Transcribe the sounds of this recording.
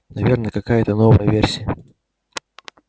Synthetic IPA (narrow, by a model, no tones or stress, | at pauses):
nɐvʲe̞rnəkɐkajət̪ənovəjəvʲersʲɪjə